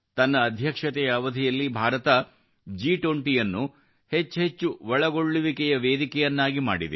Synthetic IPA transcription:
t̪ɐnːɐːd̪ʱjɐkʂɐt̪ɛjɐːʋɐd̪ʱijɐlːibʱaːɾɐt̪ɐ | d͡ʒiːʈoɳʈijɐnːu | he̞t͡ʃːɦet͡ʃːuʋɐɭɐɡo̞ɭːuʋikɛjɐʋeːd̪ikɛjɐnːaːɡima̰ːɽid̪e

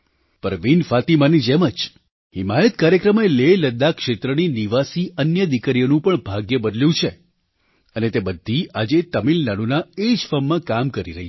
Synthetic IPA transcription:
pəɾʋinfat̪imanid͡ʒeməd͡ʒ | himajət̪kaɾjəkɾəmeleləd̪ːakʃet̪ɾəniniʋasiənjəd̪ikəɾjonũpəɳbʱaɡjəbəd̪ljũt͡ʃʰe | ənet̪ebəd̪ʱːiad͡ʒet̪əmilnaɽ̃unaed͡ʒfəmːãkamkəɾiɾəɦi

